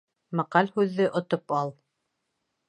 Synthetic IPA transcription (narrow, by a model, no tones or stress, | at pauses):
mɑqɑlhʉðːɘʔŏt̪opɑlˠ